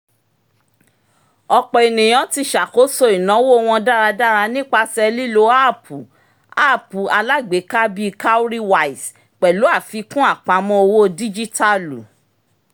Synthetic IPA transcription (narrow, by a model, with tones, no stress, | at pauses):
ɔ˧k͡pɔ˨e˨nĩ˨j̃ɔ̃˨˦ti˧ʃa˨ko˨˦so˦i˨nã˨˦wo˦˧w̃ɔ̃˧da˦ɾa˧da˦ɾa˧nĩ˦k͡pa˧sɛ˧li˦lo˦a˦˨pu˨ | a˦˨pu˨a˧la˦ɡ͡be˨˦ka˦bi˦ka˦u˦ɾi˦wa˧˨i˨s | k͡pɛ˨lu˨˦a˦˨fi˨˦kũ˦a˦˨k͡pa˨˦mɔ̃˧o˧wo˦di˦d͡ʒi˦ta˦lu˨